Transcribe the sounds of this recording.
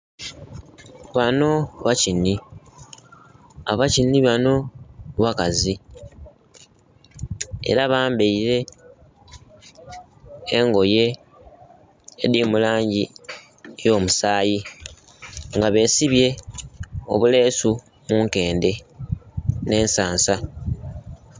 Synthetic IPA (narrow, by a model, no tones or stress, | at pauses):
βano̞βacinːi | aβacinːiβano̞βakazi | e̞̰ɾaβaːmbe̞iɾe̞ | ŋɡo̞je̞ | diːmulaːɲɟi | ejo̞ːmusaːji | ŋɡaβe̞ːsiβje̞ | o̞̰βule̞ːsu | muːŋke̞ːnde̞ | ne̞ːnsaːnsa